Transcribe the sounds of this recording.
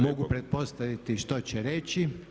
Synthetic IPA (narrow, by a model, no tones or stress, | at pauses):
moɡupɾet̪̚po̞st̪aʋit̪iʃt̪ot͡ɕɛɾet͡ɕi